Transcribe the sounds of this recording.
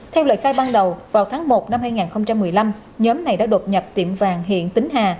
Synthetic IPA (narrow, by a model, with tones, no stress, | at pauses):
t̪ʰɛ˧wlə̰ː˧˨jxaː˧jɓaː˧nɗə˨˩wvaː˨˩wt̪ʰaː˨˦ŋmo˨˩t̚na˧mhaː˧jŋaː˨˩nxə˧wŋ͡mt͡ɕa˧mːɨ˨˩əjla˧m | ɲɔː˨˦mna˨˩jɗa̰ː˧˥ɗo˨˩t̚ɲə˨˩p̚t̪i˧˩əmvaː˨˩ŋɦḭ˧˨ənt̪ï˨˦ŋ̟ɦaː˨˩